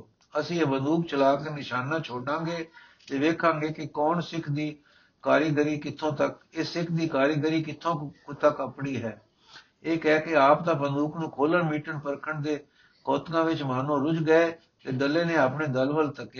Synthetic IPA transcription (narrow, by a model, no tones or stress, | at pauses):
əsĩːeːbənd̪uːk̚t͡ʃəlaːkenɪʃaːnãːt͡ʃʰoːɖãːŋɡeː | t̪eːʋeːkʰãːŋɡeːkɪkɔːnsɪkʰd̪iː | kaːɾəɡəɾiːkɪt̪ʰːõːt̪əkɪsɪkʰd̪iːkaːɾjəɡəɾiːkɪt̪ʰːõːkʊt̪ʰːaːkəpɽiːɦɛː | eːkɛːkɪaːp̚d̪ãːbənd̪uːkʰnũːkʰoːləɳmiːʈəɳpəɾkʰəɳd̪eː | kɔːt̪ɡãːʋɪt͡ʃmaːnõːɾʊd͡ʒɡəeː | t̪eːɖəlːeːnẽːaːpɳeːd̪əlʋəlt̪əkː